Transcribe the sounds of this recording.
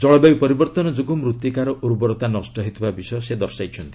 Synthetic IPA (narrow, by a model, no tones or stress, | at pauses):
d͡ʒɔɭɔbajpɔɾibɔɾt̪ɔnɔd͡ʒuɡumɾut̪ːikaɾɔʔuɾbɔɾɔt̪anɔsʈɔɦit̪ʰibabisɔjɔsed̪ɔɾsajt͡ʃʰɔnt̪i